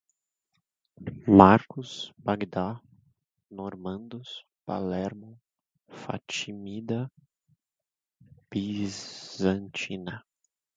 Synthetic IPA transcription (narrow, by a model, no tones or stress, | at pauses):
maɾkʊsbaɡd̪a | noɾmɐ̃nd̪ʊs | pa̰lɛɾmõ | fa̰t͡ʃimid̪ɐ | b̥izɐ̃nt͡ʃinɐ